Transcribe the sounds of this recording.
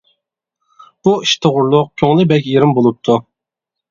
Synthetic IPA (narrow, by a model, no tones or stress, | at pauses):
b̥uiʃt̪ʰɨʁʊɾlˠʊq̚kʲʰøŋlˠɪbɛkʲjeɾɪmbolˠup̚t̪ʰu